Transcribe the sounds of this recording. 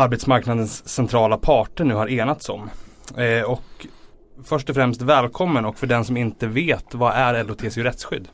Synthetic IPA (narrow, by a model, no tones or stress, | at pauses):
aɾbet̪smaɾknad̪ənsːɛnt̪ʰɾɑːlapʰɑːʈəɳʉ̟ːhaɾeːnat̪sɔ̰m | ɔk | fœʂʈɔfɾɛmst̪vɛːlkʰɔmːənɔkfœɖɛnsɔmɪnt̪əveːt̪vaʔæɾɛləɾɔt̪ʰeːsɪʊɾɛt̪sɧʏ̰d̪ː